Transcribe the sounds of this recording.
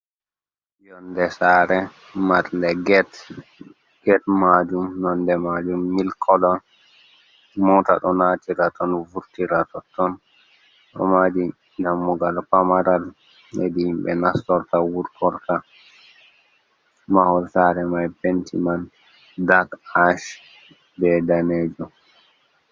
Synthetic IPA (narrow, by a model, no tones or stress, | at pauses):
jɔndɛsaːɾɛ | maɾndɛɡɛt | ɡ̥ɛtmad͡ʒumnɔndɛmad͡ʒumːilkʰɔlɔn | mɔta̰ɗɔnaːtiɾatɔnvuɾtiɾatɔtːɔn | ɗɔ̰mad͡ʒi | damːuɡalpamaɾal | edihimɓɛ̰nastɔɾtawuɾtʰɔɾta | mahɔlsaɾɛmajbentʰiman | dakaʃ | bɛdaneːd͡ʒɔ